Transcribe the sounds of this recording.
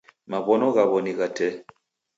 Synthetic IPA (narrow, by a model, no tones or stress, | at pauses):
maβɔnɔɣaβɔniɣatɛ